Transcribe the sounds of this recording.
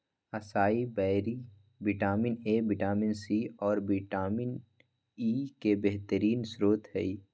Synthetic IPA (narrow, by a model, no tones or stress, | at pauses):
ɐsaːibɛːɾi | bɪʈaːmɪneːbɪʈaːmɪnsiːɔːɾbɪʈaːmɪn | iːkebeɦt̪əɾiːnsɾoːt̪ɦɛ̰iː